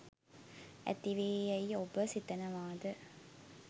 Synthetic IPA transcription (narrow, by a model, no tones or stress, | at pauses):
æ̰t̪iʋeːɐiobəsit̪ɐnəʋaːd̪ə